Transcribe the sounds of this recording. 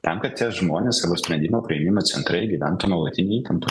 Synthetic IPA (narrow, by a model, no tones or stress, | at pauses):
t̪ʲɛmkɐt̪t̪ːʲiɛʒmoːnʲeːsɐboːsʲpʲɾʲɛnʲd̪ʲɪmoːpɾʲɐemʲɪmoːsʲɛnt̪ɾɐɪɡʲiʋʲæ̰nt̪oːnoːlˠɐt̪ʲɪnʲɛiːt̪ɐmpʊ